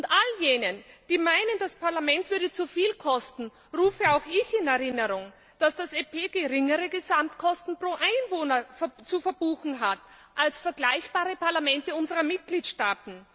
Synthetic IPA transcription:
ʊntʔaljeːnənd̥iːmaɪnəndaspʰaɐlamɛntv̥ʏɐdət͡sufiːlkʰɔstn̩ | ʁuːfəaʊxɪçɪnɛɐʁɪnəʁʊŋ | d̥asd̥asepʰeːɡəʁɪŋəʁəɡəzamtkʰɔstn̩pʁ̥oːʔaɪnvoːnɐft͡sufɛɐbuːxn̩ɦat | ʔalsfɛɐɡ̥laɪçb̥aːʁəpʰaɐlamɛntəʊnzəʁɐmɪt̚ɡ̥liːtʃtaːtn̩

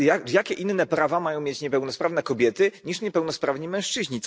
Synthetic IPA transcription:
jajakʲɛʔinːɛpɾavamajɔ̃w̃mʲjet͡ɕɲɛpɛwnɔspɾavnɛkɔbʲjɛt̪ɘɲiʂɲɛpɛwnɔspɾavɲimɛ̃w̃ʂt͡ʂɘʑɲit̪

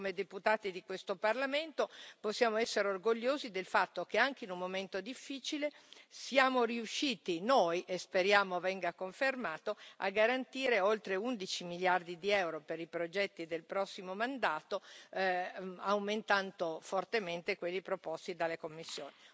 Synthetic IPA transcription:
komed̪eput̪aːt̪id̪ikwest̪oparlament̪oposːjaːmoɛsːeɾeorɡoʎːoːzid̪elfat̪ːokeaŋk̟einummːoment̪od̪ifːiːt͡ʃilesiaːmoɾiuʃːiːt̪inojʔespeɾjaːmovɛŋɡakoɱfermaːt̪oa̰ɡːaɾant̪iːɾeolt̪ɾeund̪it͡ʃimiljard̪id̪iɛwɾopeɾipɾod͡ʒɛt̪ːid̪elpɾɔsːimomand̪aːt̪o | awment̪ant̪ofort̪ement̪ekwelːipɾopost̪id̪alːekomːisːjo̰ːni

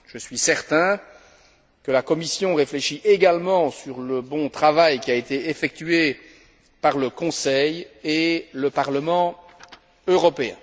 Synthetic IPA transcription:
ʒ̥əsɥisɛʁt̪ɛ̃ | kəlakɔmisjɔ̃ʁefleʃiʔeɡalmɑ̃syʁləbɔ̃t̪χavajkʲiaet̪eefɛk̚t̪ɥe | paʁləkɔ̃sɛjeləpaʁləmɑ̃ | øʁɔpeɛ̰̃

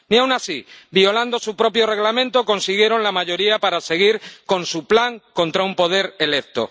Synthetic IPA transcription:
niawnasibio̞land̪o̞supɾo̞pjo̞re̞ɣlamẽ̞nt̪o̞ko̞nsiɣ̞je̞ɾo̞nlamaʝo̞ɾiapaɾase̞ɣ̞iɾko̞nsuplaŋko̞nt̪ɾaumpo̞ð̞e̞ɾe̞le̞k̚t̪o̞̰

